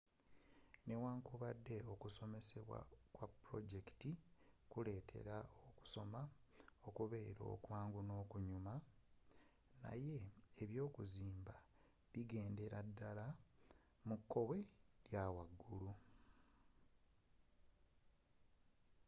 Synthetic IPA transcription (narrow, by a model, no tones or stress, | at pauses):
ne̞waːŋkuβadːe̞o̞kuso̞me̞se̞βwa̰kwapːɾo̞̰ɟeki̥tikule̞ːtʰe̞̰ɾaoku̥so̞mao̞kuβe̞ːɾo̞̰kwaːŋɡuno̞ːkuɲuma | na̰je̞eβjo̞ːkuziːmba | βiɡe̞ːnde̞ɾadːala | mukʰːo̞we̞ljawaɡːulu